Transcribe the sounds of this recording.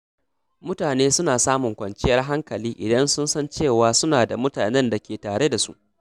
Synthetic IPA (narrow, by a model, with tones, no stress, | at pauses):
mʊ˦taː˨neː˦sʊ˦naː˨saː˦mʊ˨ŋkʷɐ˨nt͡ʃɪ˦jɐ˦rɦa˦ŋkɐ˨liː˦ʔɪ˨dɐ˦nsʊ˦nsɐ˦nt͡ʃeː˦˨waː˨sʊ˦naː˨da˨mʊ˦taː˨nɛ˦nda˨kʲeː˨taː˨ɽe˦da˨sṵ˦ʔ